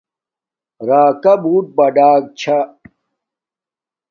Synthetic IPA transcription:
ɾaːkɐbuːʈ̚bɐɖaːɡ̚t͡ɕʰa

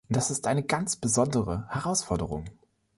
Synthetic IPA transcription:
ʊnd̥asɪstʔaɪnəɡant͡sb̥əzɔndəʁəhɛʁaʊsfɔɐdəʁ̞ʊ̰ŋ

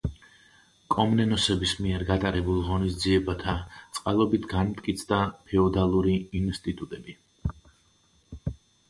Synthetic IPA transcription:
kʼɔmnɛnɔsɛbismiɛɾɡat̪ʼaɾɛbulˠʁɔnisd̪ziɛbat̪ʰat̪sʼqʼalˠɔbit̪ʰɡanmt̪ʼkʼit̪sʰd̪apʰɛɔd̪alˠuɾiːnst̪ʼit̪ʼut̪ʼɛbi

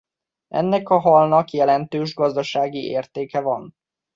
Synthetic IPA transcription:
ɛ̰nːɛkɒɦɒlnɒkjɛlɛnt̪øːʒɡɒzd̪ɒʃaːɡiʔḛːrt̪eːkɛvɒn

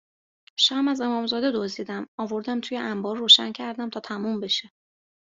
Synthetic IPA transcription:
ʃæmæze̞mɒːmzɒːd̪e̞d̪ozd̪iːd̪æmɒːvo̞ɾd̪æmt̪ʰuːjeʔæmbɒːɾːoːʃæ̰ncʰæɾd̪æmt̪ʰɒːt̪ʰæmumbe̞ʃe

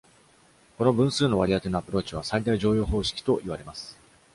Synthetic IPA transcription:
ko̞no̞bɯ̟̃ɰ̃sɨːno̞βaɾʲiat̪e̞no̞apɯ̟ɾo̞ːt͡ɕiβ̞asaid̪aiʑo̞ːjo̞ːɦo̞ːɕi̥kʲi̥t̪o̞ʔiβ̞aɾe̞masɨ̥

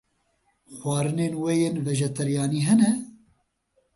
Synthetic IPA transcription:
xwʷɑːɾɨneːnwejeːnvɛʒɛt̪ʰɛɾjɑːniːɦɛnɛ

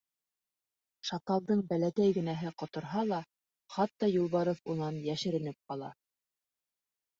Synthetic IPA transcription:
ʃɑt̪ɑlˠd̪ɤɴbælækæjɡɘ̆næɦɘqŏt̪ŏɾɦɑlˠɑ | χɑt̪ːɑjulˠβɑɾofunɑnjæʃɘ̆ɾɘ̆nɘp̚qɑlˠɑ̰

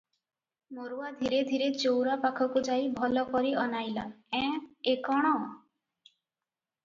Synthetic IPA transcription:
moɾuad̪ʱiɾed̪ʱiɾet͡ʃowɾapakʰɔkud͡ʒajbʱɔlɔkɔɾiɔnajlaɛ̃ekɔɽ̃ɔ

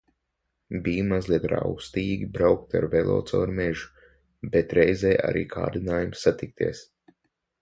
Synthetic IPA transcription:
biːmazlˠiɛt̪ɾa̰wst̪iːɡʲibɾawk̚t̪a̰ɾvɛlˠo̰ːt̪sɔ̰ːɾmɛʒu̥ | bɛt̪ɾɛjzɛjʔa̰ɾḭːkʰa̰ːɾd̪inaːjumsat̪ik̚t̪ḭɛs

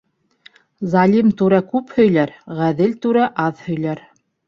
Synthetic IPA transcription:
zɑlʲimt̪ʉɾækʉphɵ̆jlæɾʁæðɘlt̪ʉɾæʔɑðhɵ̆jlæɾ

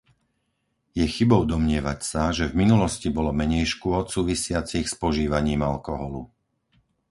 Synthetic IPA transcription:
jɛxibɔʊd̪ɔmɲɪɛʋacsaʒɛvminulɔscibɔlɔmɛɲɛjʃkʊɔt̪suːʋisɪat͡sixspɔʒiːʋaɲiːmalkɔɦɔlṵ

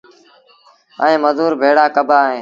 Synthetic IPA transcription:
əẽːməzuːɾbʱeːɽaːkəbʱaːɦẽː

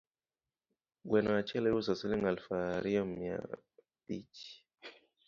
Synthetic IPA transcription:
ɡwɛnawat͡ʃɛlɛjusasiliŋalfaɾiɔmja̰ | pit͡ʃi̥

